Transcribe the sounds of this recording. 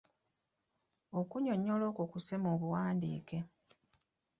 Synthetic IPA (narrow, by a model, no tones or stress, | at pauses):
okuɲo̞ɲːolo̞ːkokusemoːβuwaːndḭːke̞